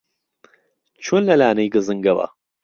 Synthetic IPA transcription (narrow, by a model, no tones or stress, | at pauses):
t͡ʃʰonlɐlaːnɐjɡɨzɨŋɡɐwɐ̰